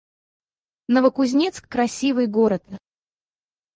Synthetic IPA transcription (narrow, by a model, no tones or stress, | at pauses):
nəvəkʊzʲnʲet̪skːɾɐsʲivɨjɡoɾət̪